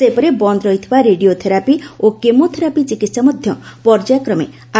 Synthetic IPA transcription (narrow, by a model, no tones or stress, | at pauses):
sepɔɾebɔnd̪ɾɔɦit̪ʰibaɾeɖiot̪ʰeɾapiokemot̪ʰeɾapit͡ʃikit̪samɔd̪ʱjɔpɔɾd͡ʒakɾɔmḛ | a